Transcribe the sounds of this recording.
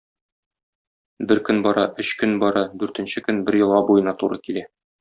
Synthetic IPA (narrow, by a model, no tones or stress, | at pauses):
bɘɾkɵnbɒɾɑʔɵɕkɵnbɒɾɑd̪ʉɾt̪ɘ̆nɕɘkɵnbɘɾjɤ̆lˠʁɑbujɤ̆nɑt̪uɾɤkilæ